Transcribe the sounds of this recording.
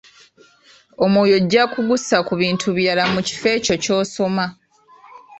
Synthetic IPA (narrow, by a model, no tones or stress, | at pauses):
o̞mwoːjo̞ɟːakuɡusakuβiːntʰuβjalamuci̥fe̞ːco̞co̞ːso̞ma